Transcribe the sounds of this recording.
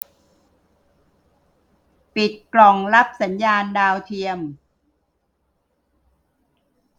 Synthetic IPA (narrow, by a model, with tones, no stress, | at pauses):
pi˨˩t̪̚klɔ˨˩ŋla˦˥p̚sa˩˦njaː˧ndaː˧wt̪ʰi˧əm